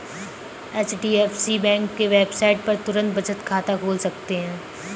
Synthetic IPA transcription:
ɛːt͡ʃɖiːɛːfsibɛ̃ːŋkːeʋeːbsaːɪʈ̚pɐɾt̪ʊɾə̃nt̪̚bɐt͡ʃət̪kʰaːt̪akʰoːlsɐk̚t̪eɦɛ̃ː

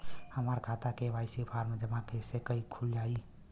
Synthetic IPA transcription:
həməɾkʰat̪akebaɪsipʰaɾmed͡ʒəmãkesekəikʰuld͡ʒai

